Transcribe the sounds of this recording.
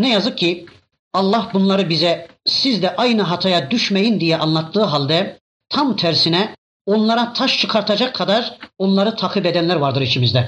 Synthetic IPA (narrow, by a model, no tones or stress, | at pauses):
nɛjazɯk̚cʰːi | ɑlˠːɑhbunlˠɑɾɯbizɛsizd̪ɛʔɑjnɯɦɑt̪ʰajad̪yʃmɛjind̪ijɛʔɑnlˠɑt̪ʰːɯːɦalʲd̪ɛ | t̪ʰamt̪ʰæɾsinɛ | o̞nlˠɑɾat̪ʰaʃt͡ʃʰɯkʰaɾt̪ʰɑd͡ʒakʰːad̪aɾo̞nlˠɑɾɯt̪ʰɑːkʰibɛd̪ænlʲæɾvaɾd̪ɯɾit͡ʃʰimizd̪ɛ